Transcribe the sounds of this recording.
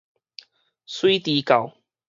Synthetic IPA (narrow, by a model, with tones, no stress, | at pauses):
swi˦t̪i˨˧˦ka˨˩w